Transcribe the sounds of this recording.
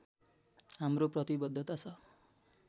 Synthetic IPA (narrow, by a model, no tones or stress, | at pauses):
ɦamroprʌt̪ibʌd̪ʱːʌt̪at͡sʰʌ